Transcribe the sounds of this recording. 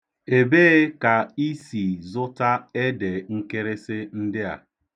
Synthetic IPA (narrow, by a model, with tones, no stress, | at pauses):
e˨beː˦ka˨i˦si˨zʊ˦ta˦e˦de˨ŋ̩˦ke˦ɾe˦sɪ˦n̩˦dɪ˦a̰˨